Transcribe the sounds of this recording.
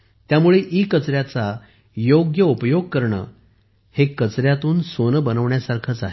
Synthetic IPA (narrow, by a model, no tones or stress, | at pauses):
t̪jamuɭeʔikət͡sɾjat͡sa | joɡjəupəjoɡ̚kəɾɳə̰ː | hekət͡sɾjat̪uːnsonəbənəʋɳjasaɾkʰət͡saɦe